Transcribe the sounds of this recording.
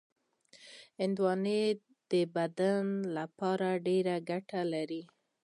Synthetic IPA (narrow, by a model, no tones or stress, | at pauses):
ɪnd̪wɑne | d̪̥əbad̪anlapɑɾaɖeɾaɡaʈalaɾi